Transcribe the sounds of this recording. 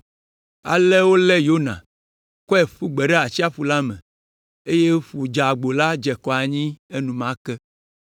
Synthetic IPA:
a̰˨lɛ˦wo˦lɛ˦jo˦nã̰˨ | kɔ˦ɛ˨ɸu˦ɡ͡bɛ˨ɖe˦a˨t͡ɕi˦a˦fu˨la˦mɛ̰̃˨ | e˦je˦ɸu˨d͡ʒa˨ɡ͡bo˨la˦d͡ʒɛ˨kɔ˨a˨ɲĩ˦e˦nũ˨mã˦kɛ˦

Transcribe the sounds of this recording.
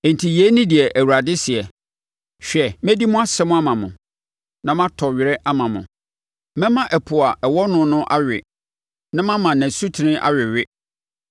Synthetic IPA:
ẽ˨n˨tʰi˨je˦nĩ˦dɪ˨ɛ˨ʔæ˨wu˨ɾa˨dɪ˦sɪ˨ɛ˨ | ɕᶣɛ˨mɛ̃˦di˦mʊ̃˦a˦sɛ˦mʊ̃˦a˦mã˨mʊ̃˨ | nã˦mã˦tʰɔ˨ɥɪ˨ɾɛ˦ʔa˦mã˨mʊ̰̃˨ | mɛ̃˦mã˦ʔɛ˨pʰʊ˨a˨ʔɛ˨wɔ˦nʊ̃˦nʊ̃˦ʔa˦ɥᶣɪ˨ | nã˦mã˦mã˨næ̃˨su˦tʰɪ˨nɪ̃˦ʔa̰˦ɥɪ˨ɥɪ˦

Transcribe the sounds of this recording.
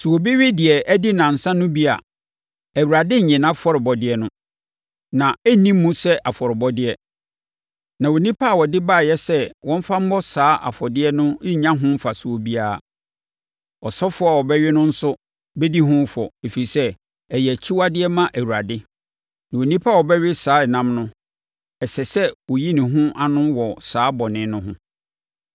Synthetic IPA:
su˨o˨bi˦ɥɪ˦dɪ˨ɛ˨ʔæ˦dɪ˦nã˨n̩˨sã˦nʊ̃˦bi˦a̰˨ | æ˨wu˨ɾa˨dɪ˦ɲ̩˨ɲɛ̃˨nã˦fɔ˦ɾɪ˨bɔ˨dɪ˦ɛ˦nʊ̃˦ | nã˨æ˦nĩ˦m˦mːũ˦sɛ˦ʔa˨fɔ˨ɾɪ˨bɔ˦dɪ˦ɛ˦ | nã˨wo˨nĩ˦pʰa˦a˨wɔ˨dɪ˦ba˦˨jɛ˦sɛ˦wɔ̃˦m̩˦fa˦m̩˦bɔ˦saː˦ʔa̰˨fɔ˨dɪ˦ɛ˦nʊ̃˦ɲã˦ɦʊ̃˦m̩˦fa˨su˨o˨bi˦a˦˨ | ɔ˨sɔ˦fʊ˦a˨wɔ˨bɛ˦ɥɪ˦nʊ̃˦n̩˦sʊ˦ | be˦di˦ɦʊ̃˦fɔ˨e˨fi˨i˨sɛ˦ | ɛ˨jɛ˨t͡ɕʰi˦wa˦dɪ˦ɛ˦mã˦ʔæ˨wu˨ɾa˨dɪ˦ | nã˨o˨nĩ˦pʰa˦˨wɔ˨bɛ˦ɥɪ˦saː˨˦ɛ˨nã˦mnʊ̃˦ | ɛ˨sɛ˨sɛ˦wɔ˨ji˦nɪ̃˨ɦʊ̃˦ʔa˦nʊ̃˦wɔ˨saː˨˦bɔ˨nɪ̃˨˦nʊ̃˦ɦʊ̰̃˦

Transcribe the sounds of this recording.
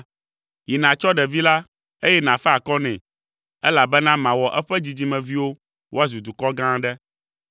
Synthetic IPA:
ji˨nã˨t͡ʃɔ˦ɖɛ˨vi˦la˦ | e˦jɛ˦nã˨fɛ˦a˨kɔ˦nɛ̰̃˨ | ɛ˦la˨bɛ˦nã˦mã˨wɔ˨ʔɛ˦ɸɛ˦d͡ʑi˨d͡ʑi˨˦mɛ̃˨vi˦wo˦ | wo˦a˦zu˨d̪u˨kɔ˦ɡã˦ɖɛ˦

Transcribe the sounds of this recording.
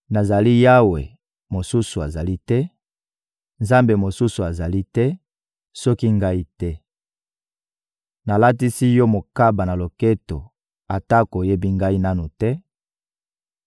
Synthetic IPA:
na˨za˨li˦ja˦wḛ˨ | mo˨su˦su˨a˨za˨li˦tɛ˦ | nza˦mbe˨mo˨su˦su˨a˨za˨li˦tɛ˦ | sɔ˦ki˦ŋɡa˦i˦tɛ˦ | na˨la˦t̬i˦si˦jɔ˦mo˨ka˦ba˨na˨lo˨ke˦to˨ | a˨ta˦ko˨je˦bi˦ŋɡa˦i˦na˦nu˨tɛ˦

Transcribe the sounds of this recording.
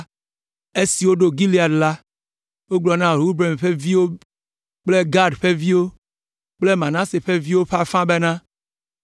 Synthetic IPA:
e˦si˨wo˦ɖo˨ɡi˦li˦˨a˨dla˦ | wo˦ɡ͡blɔ˨nã˦ɾu˦bɾe˨mɸe˦vi˦wo˦ | k͡ple˦ɡa˦ɖɸe˦vi˦wo˦ | k͡ple˦mã˨nã˦se˨ɸe˦vi˦wo˦ɸa˦fã˦be˦nã˦

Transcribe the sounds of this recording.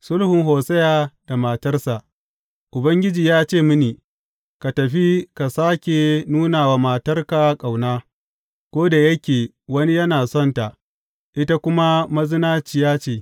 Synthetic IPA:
sʊ˦lhʊ˨ŋɦoː˨sɐ˦jaː˨da˨ma˨tɐ˦rsa˨ʔ | ʔʊ˨bɐ˦ŋɡʲɪ˦d͡ʒiː˨jaː˦t͡ʃeː˦˨mʊ˦ni˨ | ka˨tɐ˨ɸi˦ka˨saː˦kʲe˨nuː˦naː˨waː˨maː˨tɐ˦rka˨˦kʼa˨wnaː˦ | kʷoː˦da˨jɐ˦kʲeː˨ | wɐ˦ni˦jɐ˦naː˨sɔ˦˨nta˨ʔ | ʔɪ˦ta˦kʷʊ˦ma˦mɐ˦zɪ˦naː˦t͡ʃi˦˨jaː˦t͡ʃeː˦˨

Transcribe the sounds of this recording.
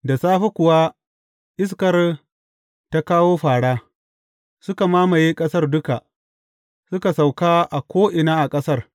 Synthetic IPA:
da˨saː˦ɸa˦kʷʊ˨wa˦ | ʔɪ˦s̬kɐ˨r | ta˦kaː˦woː˦ɸaː˨ɽaː˦ | sʊ˦ka˨maː˦ma˨jiː˦kʼɐ˦sɐ˦rdʊ˦ka˨ʔ | sʊ˦ka˨sa˨wkaː˦ʔa˨kʷoː˦ʔɪ˨naː˦ʔa˨kʼɐ˦sɐ˦r

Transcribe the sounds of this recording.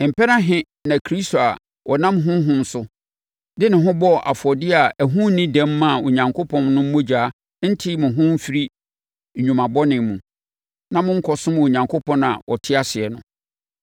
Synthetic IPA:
m̩˨pɛ˦nã˦ɦɪ̃˦ | nã˨kʰɾi˦sto˨a˨ | wɔ˨nã˦mɦʊ̃˦m˦ɦʊ̃˦n̩˦sʊ˦ | dɪ˦nɪ̃˨ɦʊ̃˦bɔ˦˨ʔa̰˨fɔ˨dɪ˦a˨æ˨ɦũ˦nĩ˦dɛ̃˦mːã˦˨o˨ɲã˨ŋkʰo˦pʰɔ̃˨nnʊ̃˦m̩˦mõ˦d͡ʑᶣaː˨˦ | n̩˦tʰɪ˦mʊ̃˨ɦʊ̃˦m̩˦fi˦ɾi˦˨ | ɲᶣũ˨mã˨bɔ˦nɪ̃˨mmũ˨ | nã˦mʊ̃˦ŋ̩˦kʰɔ˨sʊ̃˦mo˨ɲã˨ŋkʰo˦pʰɔ̃˦nã̰˨wʔɔ̰˨tʰɪ˦a˨sɪ˨ɛ˨nʊ̃˨

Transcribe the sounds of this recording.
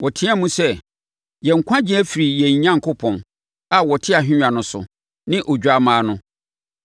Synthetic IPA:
wɔ˨tʰĩ˦a˦mũ˦sɛ˦ | jɛ˨ŋ̩˨kʷʰã˦d͡ʑĩ˦æ˦fi˨ɾi˨jɛ˨ɲ˨ɲã˦ŋ˨kʰʊ˦pʰɔ̃˨n | a˨wɔ˨tʰɪ˦a˨ɦᶣɪ̃˦ɲᶣã˨nʊ̃˨˦sʊ̰˨ | nɪ̃˦ʔɔ˨d͡ʑᶣa˨mãː˨˦nʊ̃˦

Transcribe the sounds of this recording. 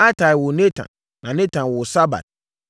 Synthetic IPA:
a˦tʰa˨wʊ˨nẽ˦tʰã̰˨n | nã˨nɛ̃˦tʰã˨nwʊ˨sa˦ba̰˨d̚

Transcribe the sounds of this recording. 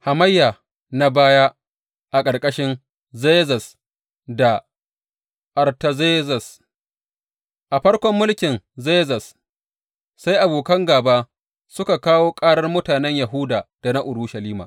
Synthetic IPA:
ha˨mɐ˦jːa˨ | na˦baː˦ja˦ | ʔa˨kʼɐ˨rkʼɐ˦ʃɪ˦n | ze˦zɐ˨s | da˨ | ʔɐ˨rtɐ˨zeː˦zɐ˨s | ʔa˨ɸɐ˦ɽkʷɔ˦mːʊ˦lkʲɪ˨nze˦zɐ˨s | sa˦jʔa˨boː˨kɐ˦ŋɡaː˨ba˦ | sʊ˦ka˨kaː˦woː˦kʼaː˦ɽɐ˦rmʊ˦taː˨nɛ˦ɲja˨ɦʊ˦daː˨d̥a˨na˦ʔʊ˨ɽuː˦ʃɐ˨liː˦ma̰ː˨

